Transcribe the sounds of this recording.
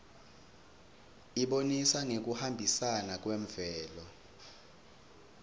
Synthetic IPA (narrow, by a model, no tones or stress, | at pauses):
iɓonisaŋek̬uhambʱisanak̬weɱvɛːlɔ